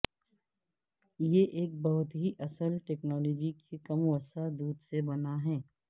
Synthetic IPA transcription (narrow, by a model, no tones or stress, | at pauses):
jeʔeːk̚bɐɦʊt̪ɦiʔɐsəlʈeːknɔːlɔːd͡ʒikekɐmwəsad̪uːd̪sebɐnaɦɛ̃ː